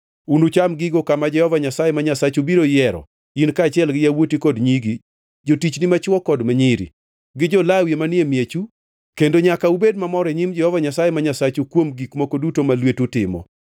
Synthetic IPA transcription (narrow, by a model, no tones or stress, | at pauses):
unut͡ʃamɡiɡokamad͡ʒɛhɔvaɲasajɛmaɲasat͡ʃubiɾojɛɾɔ̰ | inkaːt͡ʃɪɛlɡɪjawotikɔdɲiɡi | d͡ʒotit͡ʃnɪmat͡ʃwɔkɔdmaɲiɾḭ | ɡɪd͡ʒɔlawjemanɪemjet͡ʃu | kendoɲakaubedmamɔɾɛɲimd͡ʒɛhɔvaɲasajemaɲasat͡ʃukwomɡikmokodutomalwetutɪmɔ̰